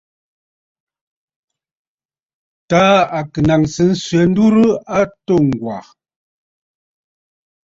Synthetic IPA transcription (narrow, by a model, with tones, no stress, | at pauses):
ta˨˦a˨kɨ˨na˨ŋsɨ˨˦n̩˦sɥɛ˨˦n̩˦du˦ɾɨ˦a˦to˦˨ŋ̩˨ɡwa̰˨